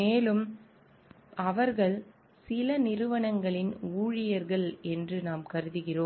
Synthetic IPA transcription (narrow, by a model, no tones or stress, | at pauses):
meːlɯm | ɐʋɐɾɣɐɭ | sɪlɐnɪɾɯʋɐɳɐŋɡɐɭɪnuːɻɪjɐɾɣɐɭɛndrɯnaːmkɐɾɯðɯɣɪroːm